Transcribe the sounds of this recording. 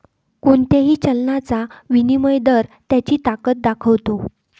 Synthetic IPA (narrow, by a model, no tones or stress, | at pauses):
kunt̪eɦiːt͡ɕəlnat͡saʋiniməjd̪əɾt̪jat͡ɕiːt̪akət̪̚d̪akʰəʋt̪o